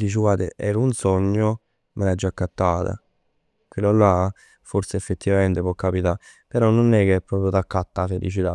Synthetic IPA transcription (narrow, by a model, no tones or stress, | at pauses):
d̪iːt͡ʃ̬ɪɡwaːd̪ḛɛːɾunsɔɲːo | mʔelad͡ʒːakːat̪ːaːt̪a̰ | kilːolːa | foɾseefːet̪ːivament̪epwɔkːapit̪a | peɾɔnːonɛkːeɛpːɾɔːpɾjot̪akːat̪ːafelḭt͡ʃit̪a